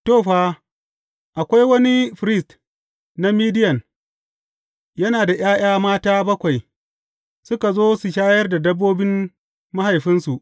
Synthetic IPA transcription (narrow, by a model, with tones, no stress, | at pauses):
toː˦˨ɸaː˦ | ʔa˨kʷa˦jwɐ˦ni˦ɸɾɪ˦˨st | na˦miː˦dɪ˦jɐ˨n | jɐ˦naː˨da˨j̰aː˦j̰aː˦maː˦taː˦bɐ˦kʷa˨j | sʊ˦ka˨zoː˦su˨ʃ̬aː˦jɐ˦rda˨dɐ˦bːoː˦bɪ˦m | ma˦ha˨jɸɪ˦nsu˨ʔ